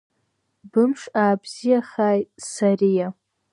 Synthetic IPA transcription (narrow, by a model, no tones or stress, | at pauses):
bɨmʂaːbz̥ijaχaːjtsarija